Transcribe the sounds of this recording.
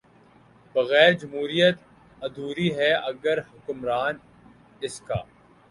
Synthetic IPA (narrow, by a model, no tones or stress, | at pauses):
bɐɣɛːɾd͡ʒɐmɦuːɾijət̪ | ɐd̪ʱuːɾiɦɛɐɡəɾhʊkʊmɾaːn | ɪska̰ː